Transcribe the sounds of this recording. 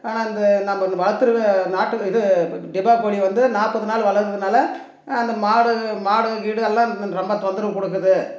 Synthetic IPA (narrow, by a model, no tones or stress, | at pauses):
aːnaːɪnd̪ɐnɐmːɐɪnd̪ɐʋɐɻɐɾt̪ːɯɾɯʋɐnaːʈːɯɪðɯɖɪbaːʋɐɽiʋɐnd̪ɯnaːpːɐðɯnaːlʋɐɭɐɾt̪ːɯðɯnaːlɐ | ɪnd̪ɐmaːɽɯmaːɽɯɣiːɽɯɛlːãːɾɔmbɐt̪ond̪ɯɾɐmkʊɽɯk̬ːɯðɯ